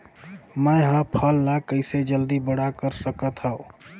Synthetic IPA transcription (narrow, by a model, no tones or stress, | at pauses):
məjɦə̃pʰəlːakəɪsed͡ʒəld̪ibəɽakəɾsəkət̪ɦəo